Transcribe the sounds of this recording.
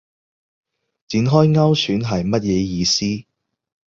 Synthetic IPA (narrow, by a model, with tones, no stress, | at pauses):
t͡siː˨˥nɦɔː˥jŋɐ˥wsyː˨˥nɦɐ˨jmɐ˥t̚jɛː˨˧jiː˨˧siː˥